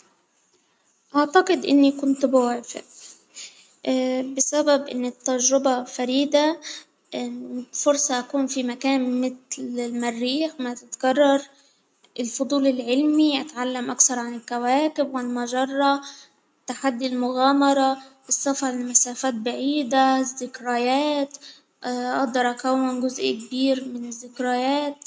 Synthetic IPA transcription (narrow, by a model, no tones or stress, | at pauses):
ʔaʕt̪aqɪd̪ʔɪ̰nːikʊnt̪bʊwaːfɪ̰ʔ | bɪsababʔɪ̰nːɪt̪ːaʒɾɪbafaɾiːd̪a | fʊɾsˤɑʔakuːnfimakaːnmɪt̪lɪlmarːiːxmat̪ɪt̪ɡɑrˤːɑɾˤ | ɪlfʊd̪ˤuːlɪlʕɪlmiʔat̪ʕalːamʔakθɑɾˤʕanɪlkawaːkɪbʕanɪlmaʒɑrˤːɑ | t̪ːaħad̪ːilmʊɣaːmɑɾˤɑʔɪsˤːɑfɑɪmasaːfaːt̪̚baʕiːd̪azːɪkɾajaːt̪ | ʔʔɑd̪ˤːɑɾˤʔakawːɪnɡʊzʔikbiːɾmɪnɪzːɪkɾajaːt̪